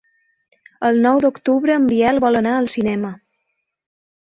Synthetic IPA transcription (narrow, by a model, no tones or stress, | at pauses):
əlˠnɔwd̪ukt̪uβɾəːmbiɛlˠβɔlənaəlˠsinɛmə